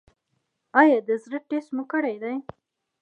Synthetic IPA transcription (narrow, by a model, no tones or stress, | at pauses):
ɑjɑd̪əzɾəʈesmukəɽajd̪aj